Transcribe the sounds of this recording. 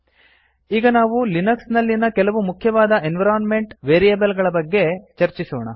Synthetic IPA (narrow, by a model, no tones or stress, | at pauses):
iːɡɐnaːʋulinɐksnɐlːinɐkɛlɐʋumukʰjɐʋaːd̪ɐʔenʋɐɾaːnme̞ɳʈʋeːɾijɐbɐlɡɐɭɐbɐɡːe̞t͡ʃɐɾt͡ʃisoːɳɐ